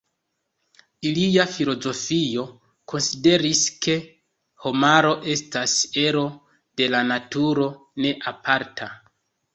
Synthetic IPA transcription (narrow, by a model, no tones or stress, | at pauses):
iliafilo̞zo̞fio̞ | kʰo̞nside̞ɾiske̞ | ho̞maɾo̞ʔe̞stase̞ɾo̞ | d̥e̞lanatuɾo̞ | ne̞ʔapʰaɾtʰa